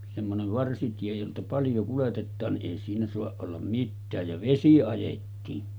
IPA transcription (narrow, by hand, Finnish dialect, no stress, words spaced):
semːoneʋ ʋɑrsitie joltɑ pɑljo kuletetːɑːn niʔ ʔeˑi siːnæ soɑʔ ʔolːɑm mitːæːj jɑ ʋesi ɑjetːiːn